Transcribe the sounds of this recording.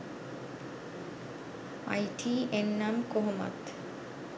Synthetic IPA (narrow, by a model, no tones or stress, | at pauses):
a̰jʈiennamkoɦoma̰t̪